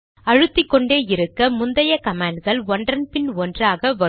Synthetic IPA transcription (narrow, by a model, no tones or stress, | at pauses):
ɐɻɯt̪ːɪkːɔɳɖeːjɪɾɯkːɐmʊnd̪ɐjɐkɐmaːɳɖɣɐɭʋɔnɖrɐnpɪnɔndraːɣɐʋɐ